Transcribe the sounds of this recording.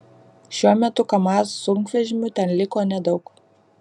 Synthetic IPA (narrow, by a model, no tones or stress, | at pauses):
ʃʲuɔmʲɛt̪ʊkɐmɑːsːʊŋkʋʲɛʒʲɪmʲʊt̪ʲɛnlʲɪkoːnʲɛd̪ɒʊk